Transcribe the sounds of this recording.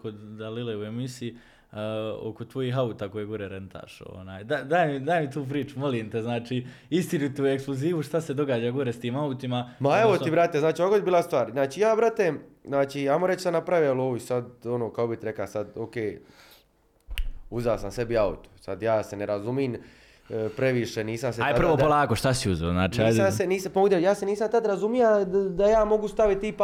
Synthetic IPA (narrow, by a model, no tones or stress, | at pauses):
kod̪ːalileue̞misii | o̰ko̞t̪ʋo̞jiːɦaut̪aːko̞jeɡuɾeɾe̞nt̪ʰa̰ʃo̰naːjd̪ad̪aːjemid̪aːjmit̪uːp̬ɾiːt͡ʃumo̞liːmt̪eznaːt͡ʃiː | ist̪iɾit̪ue̞ksplˠuziːʋuʃt̪ased̪o̞ɡaːd͡ʒaɡuɾest̪iːmaut̪imamaeʋot̪ibɾat̪eznaːt͡ʃiokoebiːlast̪ʋaːɾznaːt͡ʃiːjaːbɾat̪eznaːt͡ʃiajmoɾet͡ʃsanapɾaʋijelˠoʋuisad̪o̞noːkakobit̪iɾe̞klasad̪okeː | uzasamse̞biaṵt̪o̥sa̰d̪jaːse̞neɾazumiːn | pɾe̞ʋiʃeniːsams̬eaj̪aprʋop̪olˠaːkoʃt̪asiuzeoznaːt͡ʃiaaseniːsamoɡd̪ejaːseniːsamt̪ad̪ɾazumijad̪ajaːmo̞ɡust̪aʋit̪ːip